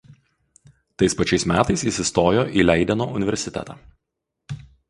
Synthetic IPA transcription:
t̪ɐɪspɐt͡ʃʲɛɪsmʲæːt̪ɐɪsiˑsʲɪst̪oːjoːʔiːlʲɛɪd̪ʲɛnoːʊnʲɪʋʲɛɾʲsʲɪt̪ʲɛ̰t̪ɑ̰ː

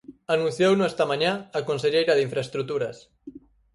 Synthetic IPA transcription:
anũn̟θjownuɛst̪amãɲaːkonseʎejɾaðiɱfɾaest̪ɾut̪uɾas

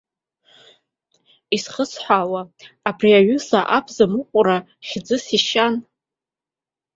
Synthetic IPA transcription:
isχəsʰħʷawaːbriaɥʊsaʔapʰzamɨqʷʼʊɾa | χʲd͡zɨsiʃan

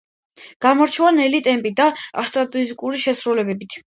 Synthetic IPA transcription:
ɡ̥amɔɾt͡ʃʰɛvanɛlit̪ʼɛmpʼid̪aast̪ʼɾat̪ʼɔzikʼuɾiʃɛsɾulɛbɛbit̪ʰ

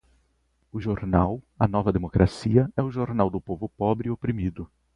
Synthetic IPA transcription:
ʊʒoɾnaw | ɐ̰nɔvɐd̪emokɾʔasiɐɛʊʒoɾnawd̪ʊpovʊpɔbɾɪopɾimid̪ʊ

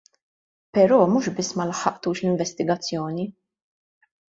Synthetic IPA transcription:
pɛɾɔːmuːʃbɪsːmɐlɐħːɐʔt̪uːʃlɪɱvɛst̪ɪɡɐt͡sːjɔːni

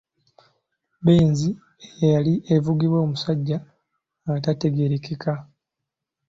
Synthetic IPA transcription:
beːnzi | ejejaliʔevuɡiβwo̞ːmusaɟːa | ŋɡatate̞ɡe̞ɾekekʰa

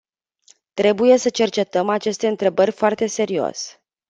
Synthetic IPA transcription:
t̪ɾe̞buje̞sət͡ʃe̞rt͡ʃe̞t̪əmat͡ʃe̞st̪e̞ɨnt̪ɾe̞bərʲfoart̪e̞se̞ɾio̰s

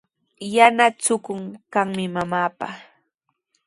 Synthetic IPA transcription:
janat͡sʊkʊŋkaŋmɪmamaːpa

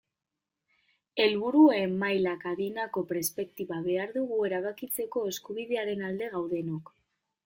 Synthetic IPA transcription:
e̞lβuɾuemːajlakaðinako̞pɾespe̞kt̪iβaβe̞aɾðuɣue̞ɾaβakit͡se̞ko̞e̞skuβiðe̞aɾe̞nald̪e̞ɣ̞awð̞e̞nok

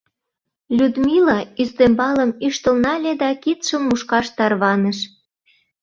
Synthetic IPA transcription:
lʲud̪milɑyzd̪embɑləmyʃt̪ə̆lnɑlʲed̪ɑkit̪ʃəmːuʃkɑʃt̪ɑrβɑnəʃ

